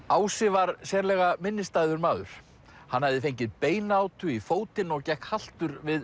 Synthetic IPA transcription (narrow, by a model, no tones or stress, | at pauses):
aːwsɪvaɾsɛːɾlɛɣamɪnːɪst̪ajðʏɾmaːðʏ̰ɾ̥ | hanːhavðɪfejɲcɪðpeːjnaːwt̪ʏifoːwt̪ɪnɔɣcɛhkhal̥t̪ʏɾvɪð